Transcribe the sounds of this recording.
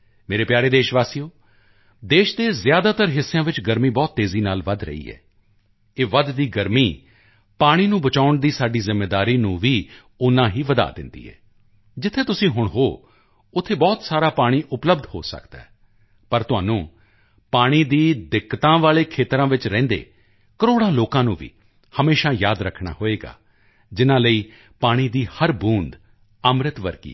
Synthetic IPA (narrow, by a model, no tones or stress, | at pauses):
meːɾeːpjaːɾeːd̪eːʃʋaːsijoː | d̪eːʃd̪eːzjaːd̪aːt̪əɾɦɪsːejãːʋɪt͡ʃɡəɾmiːbɔːt̪ːeːziːnaːlʋəd̪ɾə̰ḭːɛ̰ː | eːʋəd̪d̪iːɡəɾmiː | paːɽ̃iːnũːbət͡ʃaːʊɳd̪iːsaːɖiːzɪmːeːd̪aːɾiːnũːʋiː | ʊnãːɦiːʋəd̪a̰ːd̪ɪ̰̃nd̪ḭːɦɛ̰ː | d͡ʒɪt̪ʰːeːt̪ʊsĩːɦʊɳɦoː | ʊt̪ʰːeːbɔːt̪saːɾaːpaːɽ̃iːʔʊpləb̚d̪ho̰ːsə̰kd̪a̰ːɛ | pəɾt̪ʊa̰ːnũː | paːɽ̃iːd̪iːd̪ɪkːt̪ãːʋaːleːkʰeːt̪ɾãːʋɪt͡ʃɾɛ̃ːnd̪ḛː | kəɾoːɽãːloːkãːnũːʋḭː | həmeːʃaːjaːd̪ɾəkʰɽa̰ːɦoːeːɡa̰ː | d͡ʒɪnãːləiː | paːɽ̃iːd̪iːhəɾbũːnd̪ | əmɾɪt̪ʋəɾɡḭː